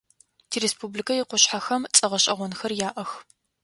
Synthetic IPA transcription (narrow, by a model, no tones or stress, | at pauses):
tʰiɾespʰublikʰɐjɪqʷʊɕħaxɐmt͡sʼɐʁɐɕʼɐʁʷɔnxɐrjaːʔɐx